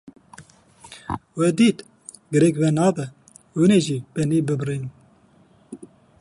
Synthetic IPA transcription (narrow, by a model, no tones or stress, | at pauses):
wɛd̪iːt̪ | ɡɨɾɛkvɛnɑːbɛ | wuneʒiːbɛniːbɨbriːn